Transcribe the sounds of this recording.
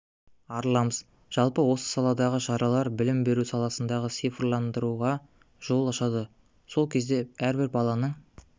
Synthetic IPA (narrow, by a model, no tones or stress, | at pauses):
ɑɾəlˠɑməz | ʒ̥ɑlˠpəwo̞sə̥sɑlˠɑd̪ɑʁəʃɑɾɑlˠɑɾbɪlɪmbe̞ɾusɑlˠɑsənd̪ɑʁəsijfrlˠɑnd̪əɾuʁɑ | ʒ̥o̞lˠɑʃɑd̪ə | so̞lˠkʲʰe̞zd̪e̞æɾbɪɾbɑlˠɑnəɴ